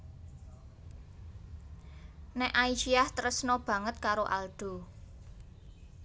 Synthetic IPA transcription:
nɛʔaiʃiaht̪əɾəsnɔb̥ä̤ŋət̪̚kaɾoʔald̪̥o̤

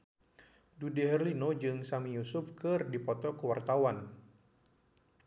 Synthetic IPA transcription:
dudiɦɛrlinod͡ʒɨŋsamijusʊfkɨrdipɔt̪ɔkəwart̪awan

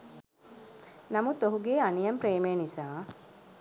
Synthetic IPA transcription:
nɐmut̪oɦuɡeːɐnijɐmpɾeːmeːnisaː

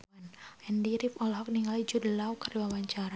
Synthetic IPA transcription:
nʔɛndiɾɪpɔlɦɔk̚niŋalid͡ʒudəlaukarwawaɲt͡ʃaɾa

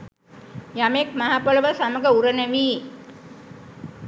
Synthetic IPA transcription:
jamekmaɦapoləʋəsaməɡəuɾənəʋiː

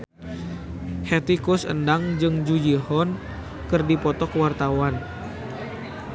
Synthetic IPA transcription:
hɛt̪ikʊsə̰ndaŋd͡ʒɨŋd͡ʒud͡ʒihɔn | kɨrdipɔt̪ɔkəwart̪awan

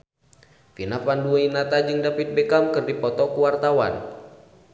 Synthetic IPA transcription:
finafanduainat̪ad͡ʒɨŋdapit̪̚bɛkamkɨrdipɔt̪ɔkuwart̪awa̰n

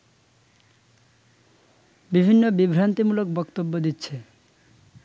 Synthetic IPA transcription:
bibʱinːobibʱɾant̪imulok̚bɔkt̪obːod̪itːɕʰe

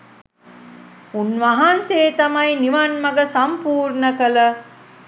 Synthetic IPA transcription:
unʋɐɦɐnseːt̪amajniʋanmɐɡəsampuːɾnəkələ

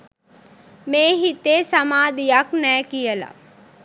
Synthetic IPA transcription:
meːɦit̪eːsamaːd̪ijaknɛːkijəla̰

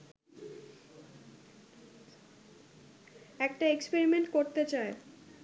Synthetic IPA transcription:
ɛkʈaekspeɾimeɳʈkoɾt̪et͡ɕae

